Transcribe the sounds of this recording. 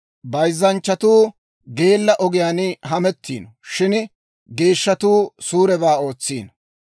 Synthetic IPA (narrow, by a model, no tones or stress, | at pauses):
bɐjzːɐnt͡ʃːɐt̪uː | ɡe̞ːlːɐʔɔɡɪjaːnɦɐmɛt̪ːḭːnɔʃɪn | ɡe̞ːʃːɐt̪uːsuːɾɛbaːo̞ːt͡sːḭːn